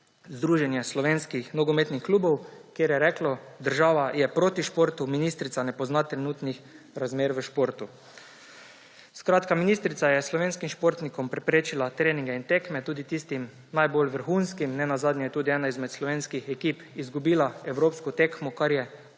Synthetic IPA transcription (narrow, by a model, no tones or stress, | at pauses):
zd̪ɾuːʒɛnjɛslɔʋeːnskixnɔɡɔmeːt̪nixkluːbɔwkjeːɾjɛɾɛːklɔd̪əɾʒaːʋajɛpɾoːt̪iʃpoːɾt̪uminiːst̪ɾit̪sanɛpɔznat̪ɾɛnuːt̪nix | ɾazmeːɾʋəʃpoːɾt̪u | skɾaːt̪kaminist̪ɾit̪ajɛslɔʋeːnskimʃpoɾt̪nikɔmpɾɛpɾeːt͡ʃilat̪ɾeːniŋɡɛint̪ekmɛt̪uːd̪it̪ist̪im | najbolʋəɾxunskimnɛnazaːd̪nʲɛjɛt̪uːd̪iɛːnaizmɛt̪slɔʋeːnskixɛkiːpizɡubiːlaɛwɾoːpskɔt̪ekmɔkaɾjɛ